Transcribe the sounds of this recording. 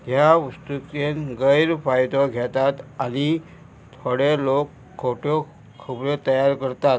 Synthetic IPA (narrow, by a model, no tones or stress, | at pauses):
ɦjaʋəst̪ukenɡəjɾfajd̪ɔɡʱet̪at̪ani | t̪ʰoɽelokʰːoʈʰɔ | kʰubɾet̪əjaɾkəɾt̪at̪